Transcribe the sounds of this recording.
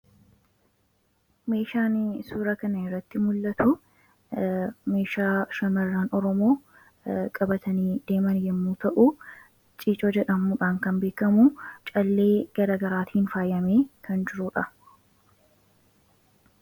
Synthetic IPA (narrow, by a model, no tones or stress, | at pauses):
me̞ːʃaːnsuːɾɐkɐnɐɪrːɐt̪ːɪmʊlːɐt̪ʊ | me̞ːʃaːʃɐmɐrːaːnɔɾɔmo̞ː | kʼɐbɐt̪ɐniːd̪e̞ːmɐnjɛmːuːt̪ɐʔu | t͡ʃʼiːt͡ʃʼoːd͡ʒɛᶑɐmuᶑaːŋkɐnbe̞ːkɐmut͡ʃʼɐlːe̞ːɡ̥ɐɾaːɡɐɾaːt̪ʰiːnfaːjːɐmeːkʰɐnd͡ʒɪɾʊᶑɐ